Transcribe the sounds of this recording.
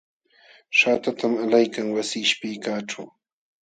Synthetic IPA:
ʃaːt̪at̪amalajkaŋwasiːʃpɪkaːʈ͡ʂa̰w

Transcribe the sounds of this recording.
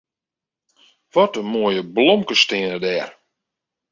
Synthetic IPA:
ʋɔtəmoəjəblɔmkəstɪənədɛːr

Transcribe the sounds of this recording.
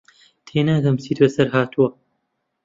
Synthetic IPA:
t̪ʰeːnaːd̪ɐmsiːt̪wɐsɐɾɦaːt̪ʰuwɐ

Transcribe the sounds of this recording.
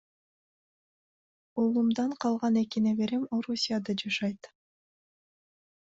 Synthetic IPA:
olˠumd̪ɑɴqʰɑlˠʁɑne̞kinebe̞ɾemo̞ɾusʲijad̪ɑd͡ʒɑʃɑjt̪

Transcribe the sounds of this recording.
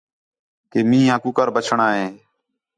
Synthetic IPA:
keːmĩːãːkuːkəɾbət͡ʃʰəɳaːɦẽː

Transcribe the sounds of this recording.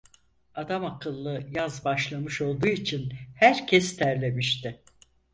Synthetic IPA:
ad̪amakʰɯlˠːɯjazbaʃlˠamɯʃo̞lˠd̪uːit͡ʃʰinhæɾcʰɛst̪ʰæɾlʲe̞miʃt̪ɪ

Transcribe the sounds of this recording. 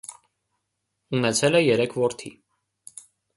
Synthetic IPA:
unɛt͡sʰɛlɛjɛɾɛkʰvɔɾt̪ʰḭ

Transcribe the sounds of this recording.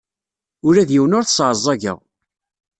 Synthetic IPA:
ʊɾæðjiwənʊɾθsˤʕəzˤːɑʝə̰ʁ

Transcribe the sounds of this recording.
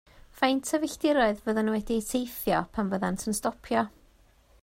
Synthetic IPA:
fajntʰəvɪɬd̥ɪɾɔɨðvəðanwɛdiesʰejθjɔpʰanvəðantʰənstɔpʰjɔ

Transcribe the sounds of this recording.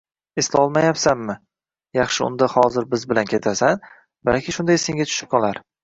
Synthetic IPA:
ɪslɒlˠmajapsanmɪ | jɑχʃɪʊ̰nd̪ahɒzɪɾbɪzbɪlankʲʰe̞t̪ʰasan | ba̰lkʲɪʃʊnd̪ajseŋɡʲat̪ʰʊ̥ʃɪ̥p̚kɒlaɾ

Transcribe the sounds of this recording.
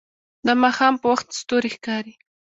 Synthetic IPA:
d̪əmɑxɑmpəwaxt̪st̪oɾixkɑɾi

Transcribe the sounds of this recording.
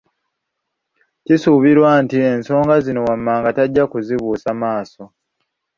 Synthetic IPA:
cisuβiɾwaːntie̞nso̞ːŋɡazino̞wamːaːŋɡataɟːakuziβuːsamaːso̞

